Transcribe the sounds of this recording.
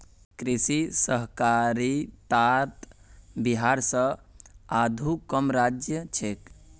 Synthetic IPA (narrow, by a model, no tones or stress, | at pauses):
kɾisisəɦkaɾit̪at̪biɦaɾsə̃ | ad̪ʱukəmɾad͡ʒjət͡ʃʰek